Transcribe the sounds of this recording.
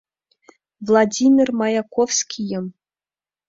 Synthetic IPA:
vlˠadʲimʲirmɑjakofskʲijɤ̆m

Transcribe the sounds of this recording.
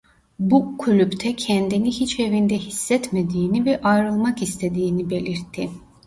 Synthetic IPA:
bukʰylʲypt̪ʰɛcʰɛnd̪inihit͡ʃe̞vind̪ɛhisːɛt̪med̪iːnivɛʔajɾɯlˠmakist̪ʰe̞d̪iːnibe̞lʲiɾt̪ʰːi

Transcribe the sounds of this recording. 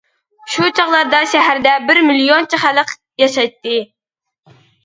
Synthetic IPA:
ʃut͡ʃʰɑʁlˠɑɾd̪ɑʃɛɦæɾd̪ɛbɪɾmilijont͡ʃʰɪχæləq | jɑʃɑjt̪ːɨ

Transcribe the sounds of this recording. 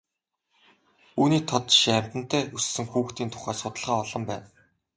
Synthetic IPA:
uːniːt̪ʰɔt̪ʃiæm̥ʲt̪ə̆n̥t̪ʰæːusːɘ̆ŋxuːxt̪iːnt̪ʰʊ̥χæːsʊt̪ə̆ɮχaːɔɮɞ̆mpæːn

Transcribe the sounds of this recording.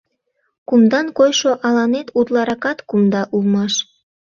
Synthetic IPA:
kumd̪ɑnkojʃoʔɑlɑnet̪ut̪lˠɑɾɑkɑt̪kumd̪ɑʔulmɑʃ

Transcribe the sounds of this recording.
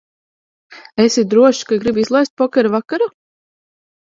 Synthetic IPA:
esid̪ɾuɔʃkaɡɾibizlˠajst̪̚pɔkʲɛɾavakaɾa

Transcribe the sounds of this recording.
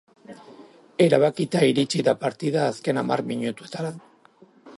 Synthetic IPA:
e̞ɾaβakit̪aiɾit͡ʃiðapaɾt̪iðaːske̞nama̰rmiɲut̪ue̞t̪aɾa

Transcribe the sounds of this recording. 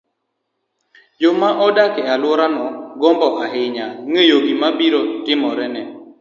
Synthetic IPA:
d͡ʒomaʔɔdakɪalwɔɾanɔɡɔmbɔʔaɦɪɲaŋejoɡimabiɾotɪmɔɾɛnɛ

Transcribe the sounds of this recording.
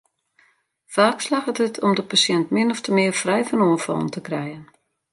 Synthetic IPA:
faːkslaxətətʰɔmdəpasjɛntmɪnɔftəmɪərfrɛjfənuənfɔ̰lˠən̩təkrɛjən

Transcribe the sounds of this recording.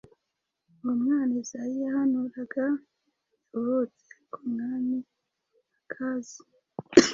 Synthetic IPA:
umŋaːnizajijahanuɾaɡa | juhot͡se̥kumŋaːni | akʰazi

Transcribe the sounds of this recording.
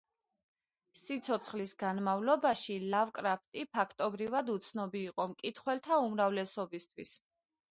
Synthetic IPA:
sit̪sʰɔt̪sʰχlisɡanmavlɔbaʃilavkʼɾap̚ʰt̪ʼipʰakʰt̪ʼɔbɾivad̪ut̪sʰnɔbiːqʼɔmkʼit̪ʰχwɛlt̪ʰaumɾavlɛsɔbist̪ʰwis

